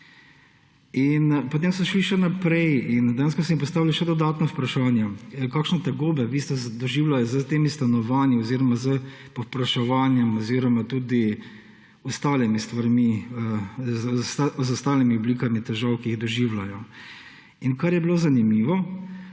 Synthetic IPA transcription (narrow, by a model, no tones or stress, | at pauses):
inpɔt̪emsɔʃliʃɛnapɾɛjind̪ejans̬kɔs̬ɛmimpɔst̪aːʋiliʃɛd̪ɔd̪aːt̪nɔwpɾaʃaːnjɛkaːkʃnɛt̪aɡobɛʋiːst̪ɛzd̪ɔʒiːwlajɔzət̪eːmist̪anɔʋaːnjiɔziːɾɔmazə | pɔpɾaʃɛʋanjɛmɔziːɾɔmat̪uːd̪i | ɔst̪aːlimist̪ʋaɾmi | zazʊst̪aːlimiɔblikamit̪ɛʒawkiiɣd̪ɔʒiwlajɔ | inkaɾjɛbilozanimiːʋɔ